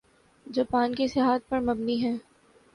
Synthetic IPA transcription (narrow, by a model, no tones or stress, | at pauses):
d͡ʒoːpaːnkesɪɦaːt̪̚pɐɾmɐbniɦɛ̃ː